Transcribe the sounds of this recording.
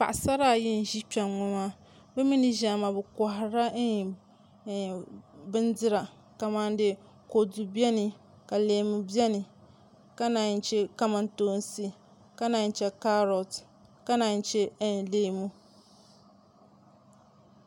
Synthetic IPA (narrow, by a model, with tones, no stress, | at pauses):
pa̰˨ʔsa˦ɾa˦˨ji˦n̩˨ʒi˦pɛ˨ŋɔ˨ma˦ | bɛ˦mi˦ni˦ʒa˨ma˨bɛ˨ka˨hɾa˦˨ | bɨ˦ndɨ˦ɾa˨ | ka˨ma˦ndɪ˦ | ko˨du˨bi˦ɛ˦ni˨ | ka˨leː˨mu˨bi˦ɛ˦nɨ˨ | ka˦na˨n˦t͡ʃɛ˦ka˦ma˨ntoː˦n˦si˦ | ka˦na˨n˦t͡ʃɛ˦ka˦ɾo˨t | ka˦na˨n˦t͡ʃɛ˦leː˦mu˦